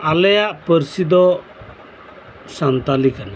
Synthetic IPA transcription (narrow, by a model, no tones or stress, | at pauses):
alɛjaʔpəɾsid̪ɔ | sant̪alikana